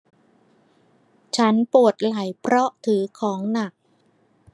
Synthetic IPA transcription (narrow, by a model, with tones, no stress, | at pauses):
t͡ɕʰa˦˥npu˨˩ət̪̚la˩˦jpʰɾɔ˦˥ʔt̪ʰɯː˩˦kʰɔː˩˦ŋna˨˩k̚